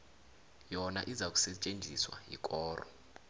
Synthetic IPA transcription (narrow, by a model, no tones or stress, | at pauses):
jɔna̰ʔizak̬ʼu̥sɛt͡ʃʼend͡zʱiswa̰jḭkʼɔːrɔ̰